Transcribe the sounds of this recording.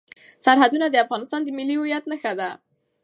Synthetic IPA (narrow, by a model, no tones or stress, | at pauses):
saɾɦad̪unad̪əafɣɑnɪst̪ɑnd̪əmɪliʊjat̪naxad̪a